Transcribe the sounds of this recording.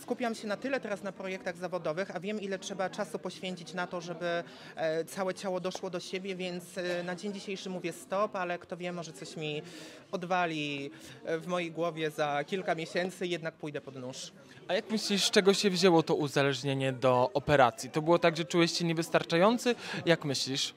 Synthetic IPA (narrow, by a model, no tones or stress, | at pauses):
skupʲiamɕɛnat̪ɘlɛt̪ɛɾasnapɾɔjɛk̚t̪aɣzavɔd̪ɔvɘxavʲjɛmilɛtʂɛbat͡ʂasupɔɕfʲjeɲt͡ɕit͡ɕnat̪ɔʐɛbɘ | t̪sawɛt͡ɕawɔd̪ɔʂwɔd̪ɔɕebʲjɛvʲjɛnt̪snad͡ʑeɲd͡ʑiɕejʂɘmuvʲjɛst̪ɔpalɛkt̪ɔvʲjɛmɔʐɛt̪sɔɕmʲi | ɔd̪valʲi | vmɔjejɡwɔvʲjɛzakʲilkamʲjeɕɛnt̪sɘjɛd̪nak̚pujd̪ɛpɔd̪nuʂ | ajakmɘɕlʲiʂt͡ʂɛɡɔɕɛvʑɛwɔt̪ɔʔuzalɛʐɲeɲɛd̪ɔʔɔpɛɾat̪sʲjit̪ɔbɘwɔt̪aɡʐɛt͡ʂujɛɕt͡ɕɛɲɛvɘst̪aɾt͡ʂajɔnt̪sɘjakmɘɕlʲiʂ